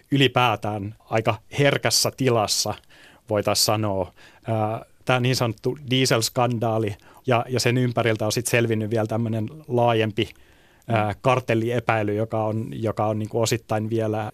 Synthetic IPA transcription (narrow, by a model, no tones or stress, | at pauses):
ylipæːt̪æːnɑikɑherkæsːæt̪ilɑsːɑ | ʋoit̪ɑssɑnoːəːt̪æːoniːnsɑnot̪ːudiːselskɑndɑːli | jɑjɑsenympærilt̪æosit̪selʋinːyʋiælt̪æmːønenlɑːjempi | əːkɑrt̪elːiepæilyjokɑonjokɑonniːŋkuosit̪ːɑinʋielæ